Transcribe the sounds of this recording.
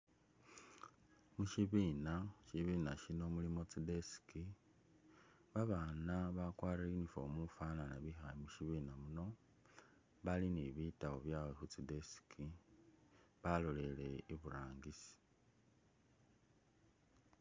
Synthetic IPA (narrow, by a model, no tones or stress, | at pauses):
muʃiβiːnaʃiβiːnaʃino̞mulimo̞t͡side̞si̥ki | βaβanaβakwaːriinifo̞̰mufananaβixajimuʃiβiːnamuno̞ | βaliniβitawoβjaːwexut͡side̞si̥kʰi | βalole̞le̞iβuɾaːŋɡisi̥